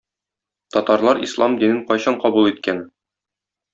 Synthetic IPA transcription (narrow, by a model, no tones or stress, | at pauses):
t̪ɒt̪ɑɾlˠɑɾḭslˠɑmd̪inɘŋqɒjɕɑɴqɒbulˠit̪̚kæn